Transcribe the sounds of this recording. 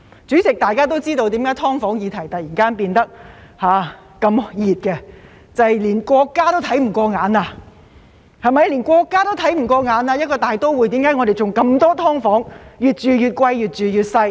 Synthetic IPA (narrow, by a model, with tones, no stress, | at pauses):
t͡ʃyː˨˥t͡sɪ˨k̚t̪aː˨jkaː˥t̪o˥wt͡siː˥t̪o˧wt̪i˨˥mkaː˨˥jt̪ʰɔː˥ŋfɔː˨˥ŋjiː˨˧t̪ʰɐ˨˩jt̪ɐ˨t̚jiː˨˩nkaː˥npiː˧nt̪ɐ˥k̚haː˨˧ | kɐ˧mjiː˨t̚kɛ˧ | t͡sɐ˨jliː˨˩nkʷɔː˧kːaː˥t̪o˥wt̪ʰɐ˨˥jm̩˨˩kʷɔː˧ŋaː˨˥naː˧ | hɐ˨jmɐ˨jliː˨˩nkʷɔː˧kːaː˥t̪o˥wt̪ʰɐ˨˥jm̩˨˩kʷɔː˧ŋaː˨˧˥naː˧jɐ˥t̚kɔː˧t̪aː˨jt̪o˥wwuː˨˩jt̪iː˨˥mkaː˨˥ŋɔ˨˧ɾe˨jt͡ʃʊ˨ŋkɐ˧mt̪ɔː˥t̪ʰɔː˥ŋfɔː˨˥ŋjyː˨˩t̚t͡ʃyː˨˧jyː˨t̚kʷɐ˧jjyː˨˩t̚t͡ʃyː˨jyː˨t̚sɐ˧j